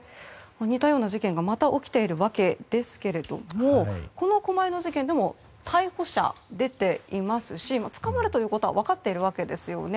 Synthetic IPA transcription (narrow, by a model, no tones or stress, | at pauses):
maɲ̟it̪ajo̞ːnaʑikẽ̞ŋɡamat̪aʔo̞kʲi̥t̪e̞iɾɯ̟βake̞d̪e̞sɨ̥ke̞ɾe̞d̪̥o̞̰moko̞no̞ko̞maeno̞ʑikẽ̞nd̪e̞mo̞ | t̪ʰaiho̞ɕa̰d̪e̞t̪e̞imasɨɕimat͡sɨ̥kamaɾɯ̟t̪o̞jɯ̟ːko̞t̪oa̰βakat̪ːe̞iɾɯ̟β̞ake̞d̪e̞sɨjo̞̰ne̞